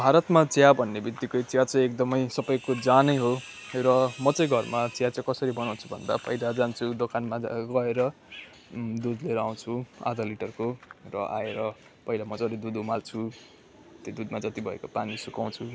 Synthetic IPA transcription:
bʱaɾʌt̪mat͡sjabʱʌnːebit̪ːikʌjt͡sjat͡sʌ̃j̃ek̚d̪ʌmʌjsʌbʌjkod͡zanʌjɦo | rʌmʌt͡sʌj̃ɡʱʌrmat͡sjat͡sjãkʌsʌɾibʌnaw̃t͡sʰu̥bʱʌnd̪a̰pʌɦidad͡zant͡sʰud̪okanmaɡʌeɾʌ | d̪ud̪leɾaw̃t͡sʰua̰d͡zaliʈʌrkorʌ̰ʔa̰eɾʌ | pʌɦilamʌd͡zʌɾed̪ud̪umalt͡sʰu | t̪jod̪ud̪mad͡zʌt̪ibʱʌḛkopanisukaw̃t͡sʰu

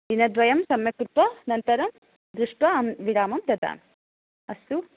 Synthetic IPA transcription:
d̪inɐd̪ʋɐjɐmsɐmjɐkɾut̪ʋɐnɐnt̪ɐɾɐm | d̪ɾuʂʈʋɐɐmʋiɽaːmɐmd̪ɐd̪a̰ːm | ɐst̪u

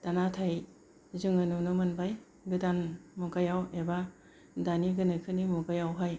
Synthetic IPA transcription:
tanatʰaj | zɯŋɯnunɯmɯnbaj | ɡɯdanmukajaweba | daniɡɯnɯkʰɯnimukajawɦaj

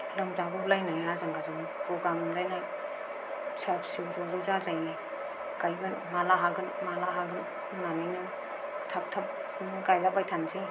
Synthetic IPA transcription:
lɯmzabɔp̚lajnajazaŋɡazaŋ | pɾɔɡɾamlajnaj | sap̚siwɾɔzɯzazaj | ɡajbɯnmalaɦaɡɯnmalaɦaɡɯn | nanajnɯ | tʰap̚tʰap̚ | ɡajlabajtʰansij

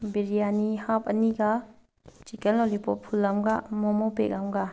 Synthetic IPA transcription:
biɾijanihap̚ɐniɡa | t͡ʃikɛnɔlipɔpʰulːamɡamɔmɔpḛk̚amɡa

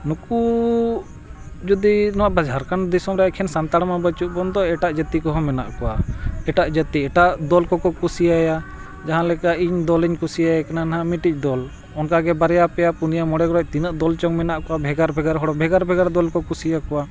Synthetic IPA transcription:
nuku | d͡ʒud̪inɔwaʔbad͡ʒʱaɾkand̪isɔmɾaakʰɛnsant̪aɽmabət͡ʃuʔ̚bɔnd̪ɔɛʈaʔd͡ʒət̪ikɔɦɔmɛna̰ʔkɔwaɛʈaʔd͡ʒət̪iɛʈaʔd̪ɔlkɔkɔkusiaja | d͡ʒaɦãlɛkaʔiɲd̪ɔliɲkusiajakananaɦamiʈic̚ˀd̪ɔl | ɔnkaɡɛbaɾɛjapɛjapunijamɔɽɛɡɔɽɔc̚ˀt̪inaʔd̪ɔlt͡ʃɔŋmɛnaʔkɔwabʱɛɡaɾbʱɛɡaɾɦɔɽɔbʱɛɡaɾbʱɛɡaɾd̪ɔlkɔkusijakɔwa

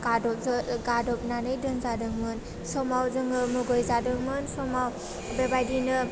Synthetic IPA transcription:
ɡadɔɡadɔp̚nanɯjdɯŋzadɯŋmɯn | sɔmawzɯŋɯmɯɡɯjzadɯŋmɯnsɔmaw | bebajdinɯ

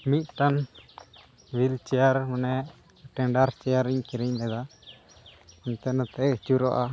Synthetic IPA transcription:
mit̪̚ʈan | wilt͡ʃɛjaɾmunɛ | ʈɛɳɖaɾt͡ʃɛjaɾiɲkiɾiɲlɛd̪a | ɔnt̪ɛnat̪ɛet͡ʃuɾɔʔa

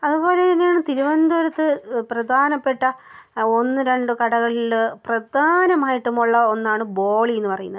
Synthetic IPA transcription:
ɐðubo̞ːle̞t̪ɐnːejaːɳɨt̪iɾuʋɐnd̪oʋɐɾɐt̪ːɨprɐd̪ʱaːnɐpːe̞ʈːɐo̞nːɨɾe̞ɳɖɨkɐɽɐɣɐɭilprɐd̪ʱaːnɐmaːjiʈːumuɭːɐo̞nːaːɳɨboːɭienːɨpɐrɐjunːɐð

